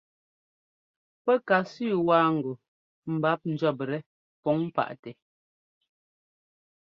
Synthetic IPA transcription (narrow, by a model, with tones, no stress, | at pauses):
pɛ˦ka˨sʉ˦˨waː˦ŋ̩˨ɡu˨ | m̩˨ba˨˦p̚n̩˨d͡ʒɔ˦˨p̬ɾɛ˦ | pɔ˨˦ŋm˦pa̰˨ʔtɛ˨